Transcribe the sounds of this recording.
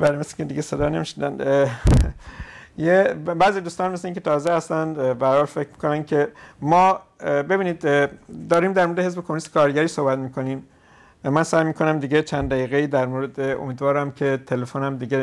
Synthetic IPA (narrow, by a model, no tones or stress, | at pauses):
bæɾemesi̥cʰed̪iɡɟesed̪ɒːnemiʃnid̪æ̰n | jebæzid̪uːst̪ɒːnmes̬leiːŋcʰʲe̞t̪ʰɒːzehæst̪ænd̪bæhæɾhɒːlfe̞cʰɾmiːko̞nænkʰe̞mɒː | be̞biːniːd̪d̪ɒːɾiːmd̪æɾmoɾed̪eɦezbekʰomunise̥kʰɒːɾɟæɾiːsohbæt̪miːkʰo̞niːm | mænsæjmiːkʰo̞næmd̪iːɡet͡ʃʰænd̪d̪æjiːɣeiːd̪æɾmoɾed̪eo̰miːd̪vɒːɾæmcʰe̞t̪ʰelefonæmd̪iɟe